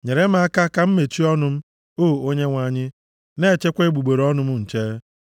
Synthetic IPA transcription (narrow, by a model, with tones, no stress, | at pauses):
ɲe˨ɾe˦m̩˦a˦ka˦ka˦m̩˦me˨t͡ʃi˦ɔ˦nʊ˦m̩˦ | oː˦˨o˦ɲe˦ŋʷa˨ɲɪ˦ | ne˦˨t͡ʃe˦kʷe˦ɡ͡bu˨ɡ͡be˨ɾɔ˦nʊ˦m̩˦ŋ̩˨t͡ʃe˦